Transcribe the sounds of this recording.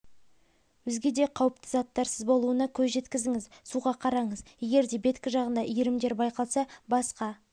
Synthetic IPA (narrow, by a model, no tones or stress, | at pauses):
wɵzɡʲe̞d̪e̞qʰɑwəpt̪əzɑt̪ːɑɾsəzbo̞lˠuənɑkʲʰɵzʒe̞t̪kʲɪzd̪ɪŋɪzsuʁɑqʰɑɾɑɴəzje̞ɡʲe̞ɾd̪e̞be̞t̪kʲɪʒɑʁənd̪ɑʔijɪɾɪmd̪e̞ɾbɑjqʰɑlˠsɑbɑsqɑ